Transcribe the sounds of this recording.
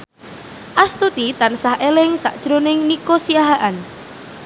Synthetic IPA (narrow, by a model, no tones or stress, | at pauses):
ʔast̪ut̪it̪ansahelɪŋsa̰ʔd̥ʒ̥ɾonɪŋnikosiaɦaʔan